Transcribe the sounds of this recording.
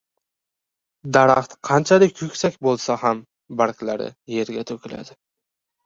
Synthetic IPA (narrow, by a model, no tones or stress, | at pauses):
d̪aɾɑ̰χt̪qʰɑnt͡ʃʰalɪkʲkʰʊkʲsakʲbolˠsaham | baɾkʲlaɾɪ̰je̞ɾɡʲat̪ʰɵkʲʰɪla̰d̪ɪ